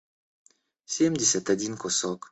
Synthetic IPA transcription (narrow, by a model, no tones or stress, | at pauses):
sʲemdʲesʲat̪adʲinkɔsɔk